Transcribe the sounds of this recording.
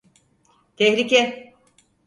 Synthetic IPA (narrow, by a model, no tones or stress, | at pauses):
t̪ʰɛhɾicɛ